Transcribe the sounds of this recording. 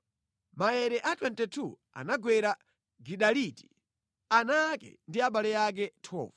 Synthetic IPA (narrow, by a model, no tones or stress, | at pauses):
maɛɾɛʔatwɛntɛtʰu | a̰naɡwɛɾa | ɡiɗaliti̥ | anakɛ̰ndiaɓalɛjak̬ɛtʰɔ̰ːva